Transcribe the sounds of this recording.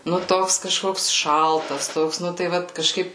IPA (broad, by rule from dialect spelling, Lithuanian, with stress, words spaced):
nʊ ˈtoːks kɐˈʃkoːks ˈʃɐlˠtɐs ˈtoːks ˈnʊ tɐɪ ˈʋɐt kɐˈʃkɐɪp